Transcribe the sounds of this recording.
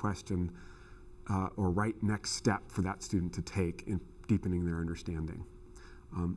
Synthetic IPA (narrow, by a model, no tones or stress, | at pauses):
w̥ɛst͡ʃɨ̃n | ʔə˞ɹaɪtⁿnɛkststɛpfə˞ðətstʉdⁿn̩tʰɨtʰeɪkʰɨ̃n | d̥ipɨ̃nɪ̃ŋðə˞ʌ̃ndə˞stæ̃ndɪ̰̃ŋ